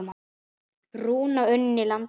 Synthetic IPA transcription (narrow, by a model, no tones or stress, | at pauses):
m | ruːnaœnːɪlan